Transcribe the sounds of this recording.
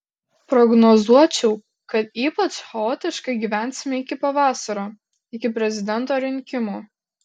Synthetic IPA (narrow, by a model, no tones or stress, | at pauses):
pɾɔɡnɔzuɔt͡ʃʲɛʊ | kɐt̪iːpɐt͡ʃxɛoːt̪ʲɪʃkɐɪɡʲiːʋʲæˑnʲsʲɪmʲɛɪkʲɪpɐʋɑːsɐɾoː | ɪkʲɪpʲɾʲɛzʲɪd̪ʲɛnˑt̪oːɾʲɪŋʲkʲɪmuː